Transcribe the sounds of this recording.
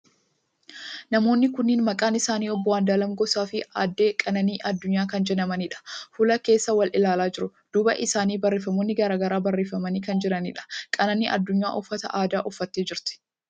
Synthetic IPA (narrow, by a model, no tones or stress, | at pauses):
nɐmo̞ːnːɪkʊnːɪːnmɐkʼaːnɪsaːniːɔbːɔwaːnd̪aːlɐmɡɔsaːfɪaːd̪ːe̞ːkʼɐnɐniːʔɐd̪ːʊɲːaːkɐnd͡ʒɛnɐmɐnɪᶑɐ̥fʊlɐke̞ːsːɐwɐlʔɪlaːlaːd͡ʒɪɾʊd̪̥uːbɐ̰ʔɪsaːniːbɐrːeːfɐmoːnːɪɡɐɾaːɡɐɾaːbɐrːeːfɐmɐniːkɐnd͡ʒɪɾɐnɪᶑɐ̥kʼɐnɐniːʔɐ̰d̪ːʊɲːa̰ːʔɔfːɐt̪ɐ̰ʔaːd̪aːʔɔfːɐt̪ːeːd͡ʒɪɾt̪ɪ̥